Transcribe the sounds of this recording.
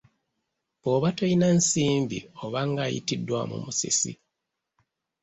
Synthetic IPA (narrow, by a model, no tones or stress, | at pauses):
oβatojinansiːmbḭo̞βaŋɡaːjḭtidːwamṵmusḛsḭ